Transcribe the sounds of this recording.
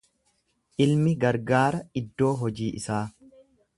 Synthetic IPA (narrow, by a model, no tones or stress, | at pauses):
ʔɪlmɪɡɐɾɡaːɾɐɪd̪ːo̞ːɦɔd͡ʒiːʔɪsaː